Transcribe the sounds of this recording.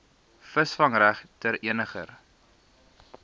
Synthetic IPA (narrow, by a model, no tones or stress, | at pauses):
fəsfɐŋræχtəɾiənəχər